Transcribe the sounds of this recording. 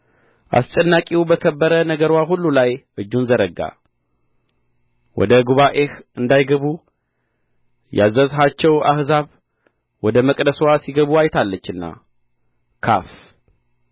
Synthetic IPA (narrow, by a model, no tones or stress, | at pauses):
ʔa̰st͡ʃʼɛnːakʼiwbəkʰəbːəɾənəɡəɾwaɦulːulajʔɨd͡ʒːunzəɾəɡa̰ | wɔ̰d̪əɡuβaʔe̞hɨnd̪ajɡəβu | ja̰zːəzɦat͡ʃːɛwʔa̰hzaβ | wɔd̪əməkʼd̪əswasiɡəβuajt̪ʰalːət͡ʃːɨnːa̰ | kʰa̰f